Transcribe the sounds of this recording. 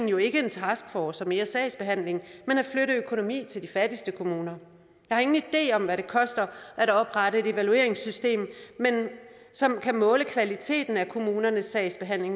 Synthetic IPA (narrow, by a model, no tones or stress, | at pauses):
n̩jo̝e̝ɡ̥əe̝nt͡sʰɑ̈sɡ̥fɒːsɒ̽me̝ːɐsɛ̰ɪsb̥e̝ɦæn̰le̝ŋmenæ̥fløɾəøkʰo̝no̝mḭːt͡sʰe̝ld̥ifædisd̥əkʰo̝muːnɐ | jɑ̈hɑ̈e̝ŋn̩id̥e̝̰ːɒ̽mʋæɾe̝kʰɒ̽sd̥ɐʔæɾ̥ɒ̽b̥ʁɑ̈ɾəe̝ɾ̥e̝ʋælue̝ɐe̝ŋsysd̥e̝̰ːmmen | sɒ̽mkʰæmɔ̽ːləkʰʋælit͡sʰe̝̰ːd̥n̩ækʰo̝muːnɐnəsːɛ̰ɪsb̥e̝ɦæn̰le̝ŋ